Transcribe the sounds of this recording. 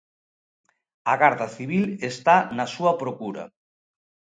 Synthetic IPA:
ɐɣaɾðɐθiβ̞ilest̪anɐsuɐpɾokuɾɐ̰

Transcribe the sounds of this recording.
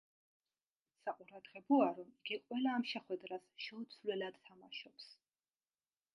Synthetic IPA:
saqʼuɾad̪ʁɛbɔaɾɔmiɡiqʼwɛlaːmʃɛχwɛd̪ɾasʃɛut̪sʰlɛlad̪̥t̪ʰamaʃɔps

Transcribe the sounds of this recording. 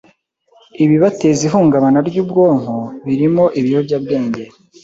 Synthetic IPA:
iβiβate̞ziɦuːŋɡaβanaɾɟuːbɡo̞ːŋ̥hoβiɾimo̞ʔiβijobɟaːbɡe̞ːɲɟe̞

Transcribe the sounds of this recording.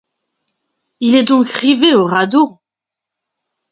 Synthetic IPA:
ilɛd̪ɔ̃kʁiveoʁad̪o

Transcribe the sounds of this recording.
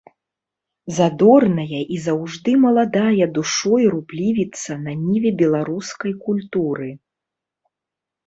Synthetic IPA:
zad̪ɔrnɐjɐʔizawʐd̪ɨmɐlˠad̪ajɛd̪uʂɔjɾublʲivʲit̪sɐnanʲivʲɛbʲɛlˠaɾuskɐjkulʲt̪uɾɨ

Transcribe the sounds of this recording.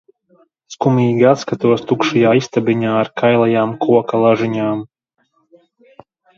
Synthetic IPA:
skumʲiːɡʲiat̪skat̪uɔst̪ukʃujaːist̪abʲiɲaːɾkʰajlˠajaːmkʰuɔkalˠaʒiɲaːm

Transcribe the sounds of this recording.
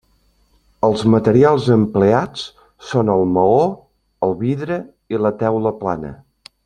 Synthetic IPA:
əlˠzmət̪əɾialˠzəmpleat͡s | sonəlˠməo | əlˠβiðɾə | ilət̪ɛwləplanə̰

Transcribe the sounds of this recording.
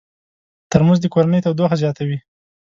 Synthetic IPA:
t̪əɾmuzd̪əkoɾanəjt̪awd̪oxazjɑt̪awi

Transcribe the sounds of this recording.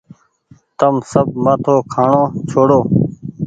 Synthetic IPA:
t̪əmsəb̚maːt̪ʰoːkʰaːɳõːt͡ʃʰoːɽoː

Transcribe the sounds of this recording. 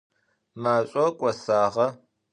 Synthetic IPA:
maːɕʼɔkʷʼɔsaːʁɐ

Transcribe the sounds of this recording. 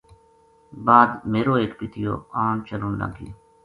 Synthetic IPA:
baːd̪meːɾoːeːkpɪt̪ʰɪjo̰ːaːnt͡ʃəluːnla̰ːɡḭː

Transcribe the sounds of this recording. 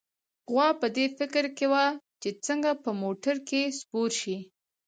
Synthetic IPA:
ɣwɑpəd̪efɪkɾkewat͡ʃet͡səŋɡapəmoʈaɾkespoɾʃi

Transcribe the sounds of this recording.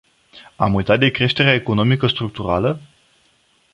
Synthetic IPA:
amujt̪at̪̚d̪e̞kɾe̞ʃt̪e̞ɾeaeko̞no̞mikəst̪ɾuk̚t̪uɾalə

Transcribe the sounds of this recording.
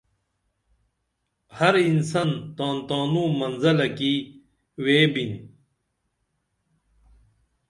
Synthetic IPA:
hɐɾinsɐnt̪aːnt̪aːnumɐnzɐlɐki | weːbin

